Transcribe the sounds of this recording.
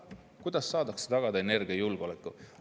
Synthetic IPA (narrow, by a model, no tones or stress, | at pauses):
kujd̪̥ɑsːɑːd̪ɑkse̥t̪ɑɡ̥ɑd̪ɑene̞rɡ̥iɑjulɡ̥o̞lekːˑu